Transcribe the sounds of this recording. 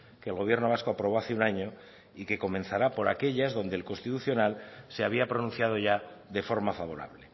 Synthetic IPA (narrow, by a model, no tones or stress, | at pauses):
keːlɣ̞o̞β̞je̞ɾno̞β̞asko̞apɾo̞βo̞aθeunaɲo̞ | ike̞ko̞mẽ̞nθaɾapo̞ɾa̰ke̞ʎazðo̞nd̪elko̞nst̪it̪uθjo̞nalseaβiapɾo̞nũnθjað̞o̞ʝa | d̪e̞fo̞ɾmafaβ̞o̞ɾa̰βle̞